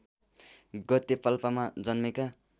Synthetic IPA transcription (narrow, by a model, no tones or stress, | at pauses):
ɡʌt̪epʌlpamad͡zʌnmeka